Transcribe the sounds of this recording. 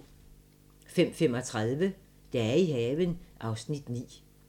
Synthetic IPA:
fem̰femɒ̽t͡sʰʁað̞ˠʋə | d̥ɑ̈æɐiɦɛːʋənʔɑ̈ʊsnid̥nḭː

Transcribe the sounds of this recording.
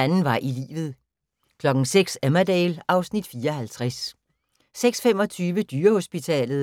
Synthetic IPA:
ænn̩ʋɑ̈ʔilḭːʋð̞̩ˠ | kʰlɒ̽ɡ̥n̩seɡ̥sæmæd̥ɛːlʔɑ̈ʊsnid̥fiːɐɒɦælt͡sʰʁas | seɡ̥sfem̰ɒ̽t͡sʰyːʋəd̥yːɐho̝sb̥it͡sʰɛ̰ːlð̩ˠ

